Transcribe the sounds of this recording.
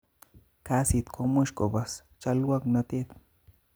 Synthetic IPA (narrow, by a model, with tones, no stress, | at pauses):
ka˦si˨t̪kʰo˧mo˦ʃko˨ba˨s | t͡ʃa˧lwa˦kna˧t̪e˦t̪